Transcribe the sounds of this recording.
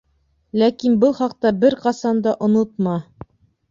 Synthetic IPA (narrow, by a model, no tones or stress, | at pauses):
lækinbɤlˠχɑq̚t̪ɑbɘɾqɑsɑnd̪ɑʔŏnot̪̚mɑ